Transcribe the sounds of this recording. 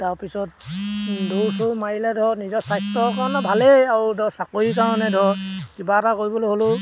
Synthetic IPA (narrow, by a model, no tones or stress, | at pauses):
taɹpisɔt̚ | dowsumailɛdʱɔnizɔsajstɔkaɹɔnɔbʱaleaɹudɔsakoɹikaɹɔnɛdʱɔkibatakoɹibɔlojɦolo